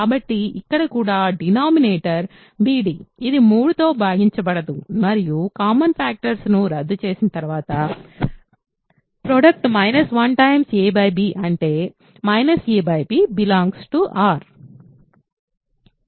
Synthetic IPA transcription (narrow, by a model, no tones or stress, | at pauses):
kaːbɐʈːiikːɐɽɐkuːɽaːɖinaːmineːʈɐɾ | biːɖiːid̪imuːɽut̪o̞ːbʱaːɡiɲt͡ʃɐbɐɽɐd̪umɐɾijukaːmɐnpʰaːk̚ʈɐɾsnuɾɐd̪ːut͡ʃe̞ːsinɐt̪ɐɾuʋaːt̪ɐ | pɾoːɖɐk̚ʈmɐjnɐsʋɐnʈɐjmseːbɐjbiːʔɐɳʈe̞ː | mɐjnɐseːbɐjbiːbilaːŋɡsʈuʔaːɾ